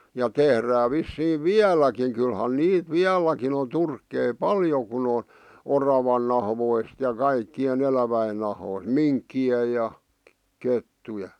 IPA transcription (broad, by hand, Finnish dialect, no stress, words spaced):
jɑ tehræː ʋisːiːʋ ʋiælˑækiŋ kylhæn niːt ʋiælˑækin on turkːei pɑljo kun on orɑʋɑn nɑhʋoist jɑ kɑikːien elæʋæin nɑhoist minkːie jɑ ketːuje